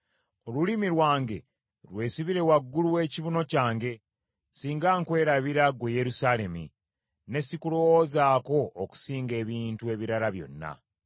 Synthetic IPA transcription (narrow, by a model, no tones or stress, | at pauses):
o̞lulimiɾwaːŋɡe̞̰ | lwe̞ːsiβiɾe̞waɡːuluwe̞ːciβuno̞caːŋɡe̞ | siːŋɡaːŋkwe̞ːɾaβiɾaɡweje̞ɾusale̞mḭ | ne̞sikulowozaːko̞ːku̥siːŋɡe̞ːβiːntue̞βiɾaɾaβjo̞̰nːa̰